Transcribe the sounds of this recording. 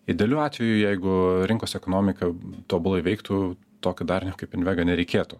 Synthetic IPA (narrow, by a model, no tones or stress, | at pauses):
ɪd̪ʲeːlʲuːɑːt̪ʲʋʲɛjuːjɛɪɡʊɾʲɪŋkoːsɛkoːnoːmʲɪkɐt̪oːbʊlˠɐɪʋʲɛɪkt̪uː | t̪oːkʲɪd̪ɐrnʲɛkɐɪpɪnʲʋʲæɡɐnʲɛɾʲɛɪkʲeːt̪uː